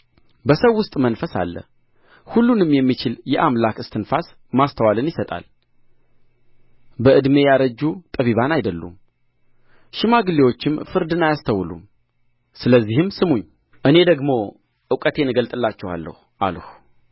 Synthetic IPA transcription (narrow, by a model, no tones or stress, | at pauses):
bəsəwːʊst̪ʼmənfəsa̰lːə̰ | hulːunɨmjɛmːit͡ʃɪljɛʔamlakɨst̪ʰɨnfas | mast̪ʰəwalɨnjɪsət̪ʼa̰l | bəɨd̪me̞jaɾəd͡ʒːut̪ʼəβiβanajd̪əlːṵm | ʃɪmaɡɨlːewo̞t͡ʃːɪmfɨɾd̪ɨnajast̪ʰəwlṵm | sɨləzːihɨmsɨmuɲː | ʔɨne̞d̪əɡmo̞ | ʔɨkʼət̪ʰe̞nɨɡəlt̪ʼɨlːat͡ʃːɛwa̰lːə̰huʔa̰lhu